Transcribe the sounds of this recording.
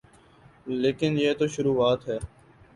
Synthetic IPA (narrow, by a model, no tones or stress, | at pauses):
leːkɪnjeːt̪oʃʊɾuːaːt̪ɦɛː